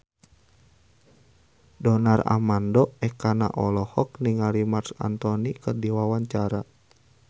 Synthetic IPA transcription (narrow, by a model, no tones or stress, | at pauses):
dɔnara̰mandɔɛhkana̰ʔɔlɔhɔk̚niŋalimarsa̰nt̪ɔnikərdiwawaɲt͡ʃaɾa